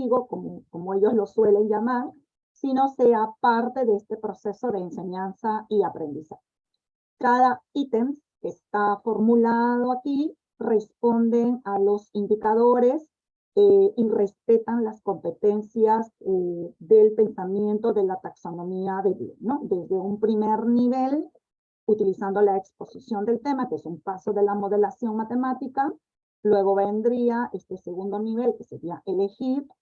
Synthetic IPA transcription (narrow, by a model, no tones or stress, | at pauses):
iɣokomoko̞moe̞ʝo̞zlo̞swe̞le̞nd͡ʒamaɾ | sino̞se̞apaɾt̪e̞ðeest̪e̞pɾo̞se̞so̞ðe̞ːnse̞ɲansaiapɾe̞nd̪isaxe | kaðait̪ems | kest̪afo̞ɾmulað̞o̞aki | re̞spo̞nd̪e̞nalo̞sind̪ikaðo̞ɾe̞s | eire̞spe̞t̪anlasko̞mpe̞t̪e̞nsjazeðe̞lpe̞nsamje̞nt̪o̞ðe̞lat̪akso̞nõ̞miaðeβḭono̞d̪e̞zðe̞umpɾimeɾniβe̞l | ut̪ilisand̪o̞laekspo̞sisjo̞nd̪e̞lt̪e̞makeesumpaso̞ðe̞lamo̞ð̞e̞lasjo̞ŋmat̪e̞mat̪ika | lwe̞ɣo̞βe̞nd̪ɾiaʔe̞st̪e̞se̞ɣund̪o̞niβe̞lke̞se̞ɾiaʔe̞le̞xiɾ